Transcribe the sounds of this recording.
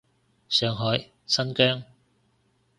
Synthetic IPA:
sœː˨˧ŋɦɔː˨˥j | sɐ˥nkœː˥ŋ

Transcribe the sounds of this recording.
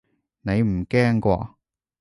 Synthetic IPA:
ne˨˧jm̩˨˩kɛː˥ŋkʷɔ̰ː˧

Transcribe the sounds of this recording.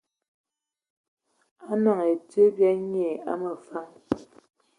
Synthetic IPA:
a˦na˨ŋe˨tə˦bja˦ɲe˨a̰˦mə˨fa˦ŋ

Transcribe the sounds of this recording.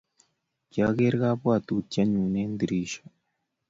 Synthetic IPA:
cja˨ɣe˦ɾɡa˦βwa˨t̪u˨tja˦ɲuː˨ne˦nd̪i˨ɾi˨ʃḁ˨

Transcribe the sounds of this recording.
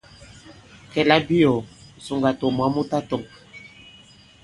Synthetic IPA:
kɛ˨la˦bi˦ɔ˨su˨ŋɡa˨tɔ˨mwa˦mo˦ta˦tɔ˨

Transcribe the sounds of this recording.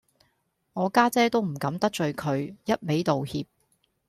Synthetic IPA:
ŋɔː˨˧kaː˥t͡sɛː˥t̪o˥wm̩˨˩kɐ˨˥mt̪ɐ˥k̚t͡ʃɵ˨ɥkʰɵ˨˧ɥjɐ˥t̚me˨˥jt̪o˨whiː˧p̚

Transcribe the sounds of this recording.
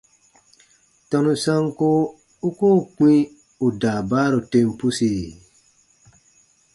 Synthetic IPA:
tɔ̃˧nũ˧sã˦ŋko˦ | u˦koː˦˨k͡pĩ˦ | u˨daː˨baː˦ɾo˨tẽ˧˦m˦pu˦si˨

